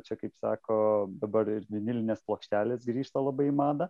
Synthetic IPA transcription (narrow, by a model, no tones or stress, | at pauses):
t͡ʃʲɛkɐɪpsɑːkoːd̪ɐbɐɾɪɾʋʲɪnʲɪlʲɪnʲeːsplˠoːkʃʲt̪ʲæːlʲeːsɡɾʲiːʃt̪ɐlˠɐbɐɪmɑːd̪ɐ